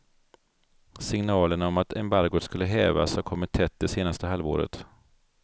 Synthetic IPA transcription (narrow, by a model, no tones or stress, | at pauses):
sɪŋnɑːləɳaɔmat̪ɛmbaɾɡʊskɵlːəɦɛːva̰shakʰɔmɪt̪ʰːɛt̪̚d̪ɛseːnast̪əɦalvo̰ːɾə̰t̪